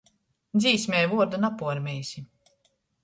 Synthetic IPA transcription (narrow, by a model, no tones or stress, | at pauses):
d̪ziːsmʲɛːjvuɔɾd̪anapuɔɾmʲɛjsʲi